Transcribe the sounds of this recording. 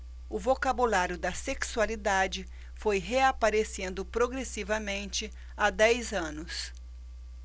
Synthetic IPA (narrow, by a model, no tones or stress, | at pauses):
ʊvokabulaɾjʊd̪ɐseksualid̪ad͡ʒɪ | fojɦeapaɾesẽnd̪ʊpɾoɡɾesivɐmẽnt͡ʃɪ | ad̪ɛjzɐ̃nʊs